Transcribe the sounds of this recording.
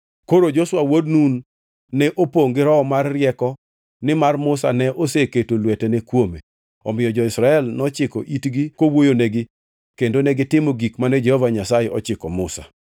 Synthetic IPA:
koɾod͡ʒoswawodnunː | ɛʔopoŋɡɪɾɔːmarːɪɛkɔ | nɪmarmʊsa̰nɛʔoseketolwɛtɛnekwome | ɔ̰mɪjɔd͡ʒɔɪsɾaɛlnɔt͡ʃɪkɔʔitɡikowojonɛɡɪ | kendonɛɡɪtɪmoɡikmanɛd͡ʒɛhɔvaɲasajeʔɔt͡ʃɪkɔmʊsa̰

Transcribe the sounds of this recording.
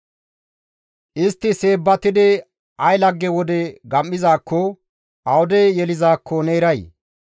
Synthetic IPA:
ʔɪst̪ːɪse̞ːbːɐt̪ɪd̪ɪ | ɐjlɐɡːɛwɔd̪ɛɡɐmːɪzaːkːɔ | ɐwʊd̪ɛjjɛlɪzaːkʰːɔneːɾɐj

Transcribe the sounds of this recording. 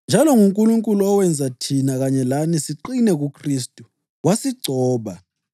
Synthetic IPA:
nd͡ʒʱalɔŋuŋkʼuluŋkʼuluɔwɛnd͡zʱatʰinaɣaɲɛlanisiǃinɛɣukʰristʼu | wasiɡ͡ǀʱɔːɓa

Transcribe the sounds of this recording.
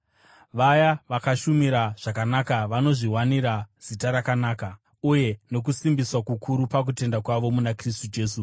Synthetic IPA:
ʋajaʋakaʃumiɾaʐ̥akanakaʋano̞ʐiɦwaniɾaz̥itaɾakanaːka | uje̞no̞k̬usimbiswakukʰuɾupak̬ute̞ndakwaʋo̞munakristud͡ʒe̞ːsu

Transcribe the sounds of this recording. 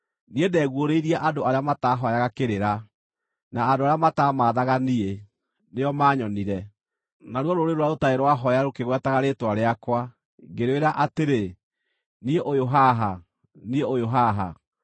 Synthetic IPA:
niedɛɣwoɾeiɾiaʔadoaɾeamataːɦɔjaɣakeɾeɾa | naːdoaɾeamataːmaːðaɣanie | neɔmaːɲɔniɾɛ | naɾwɔɾoɾeɾwaotaeɾwaɦɔjaɾokeɣwɛtaɣaɾeːtwaɾeakwa | ɡeɾweɾaʔateɾe | nieʔojoɦaɦa | nieojoɦaɦa̰

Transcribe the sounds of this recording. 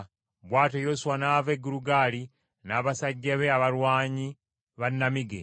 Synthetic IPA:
βwaːtojoːsuwanaːveɡuɾuɡaːli | naːβasaɟːaβeaβaɾwaːɲi | βanːamiɡḛ

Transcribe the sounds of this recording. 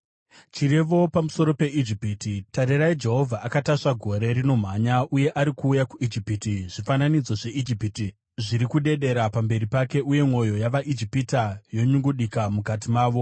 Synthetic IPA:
t͡ʃire̞ʋo̞pamuso̞ɾo̞pe̞id͡ʒipititaɾiɾaid͡ʒe̞ɦo̞vʱaʔːkataʂaɡʱo̞ɾe̞ɾino̞m̤aɲauje̞ʔaɾikuːjakuid͡ʒipitiʐifananid͡zo̞ʐe̞id͡ʒipiti | ʐiɾikuɗe̞ɗe̞ɾapambe̞ɾipake̞ʔuje̞mwo̞jo̞jaʋaʔid͡ʒipitajo̞ɲuŋɡuɗikamukat̬imaːʋo̞

